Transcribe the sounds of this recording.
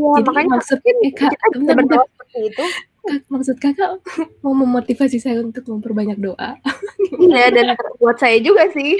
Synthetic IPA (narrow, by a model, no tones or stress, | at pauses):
japakamaksut̪̚aɛkaʔiaaədasəpərt̪iːt̪u | kamaksʊt̪̚kakaʔmauməmot̪ifasisajaunt̪ʊk̚məmpərbaɲak̚doʔa | jadanbuat̪̚sajad͡ʒuɡasɪh